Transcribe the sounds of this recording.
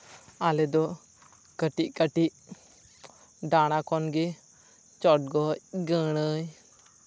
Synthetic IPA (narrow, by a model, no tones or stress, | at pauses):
alɛd̪ɔ | kəʈiʔkəʈiʔ | ɖaɽ̃akɔnɡe | t͡ʃɔʈ̚ɡɔcɡəɽ̃əj